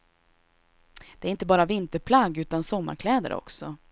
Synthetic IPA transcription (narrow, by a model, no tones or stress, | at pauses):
d̪ɛæɾɪnt̪əbɑːɾavɪnt̪əɾpʰlaɡʉ̟ːt̪ansɔmːa̰ɾkʰlɛːd̪ə̰ɾʔɔ̰ksɔ